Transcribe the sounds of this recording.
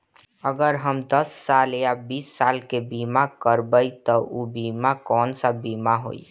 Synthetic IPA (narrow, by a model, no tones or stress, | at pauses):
əɡəɾɦəmd̪əsːaːljabiːsːaːlkebimakəɾbəit̪ɔʔobiːmakɔːnsabiːmaɦo̰ːḭ